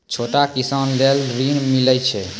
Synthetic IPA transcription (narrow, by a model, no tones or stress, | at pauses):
t͡ʃʰoʈakisanlelɾinmilət͡ʃʰɛ